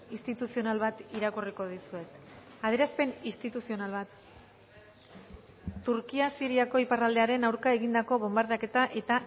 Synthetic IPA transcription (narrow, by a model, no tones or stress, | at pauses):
ist̪it̪usio̞nalβat̪iɾakuriko̞ðisue̞k | að̞e̞ɾaspe̞nist̪it̪usio̞nalβat̪ | uɾkiasiɾiako̞iparald̪e̞aɾe̞nawɾkae̞ɣ̞ind̪ako̞β̞o̞mbaɾðake̞t̪aʔe̞t̪a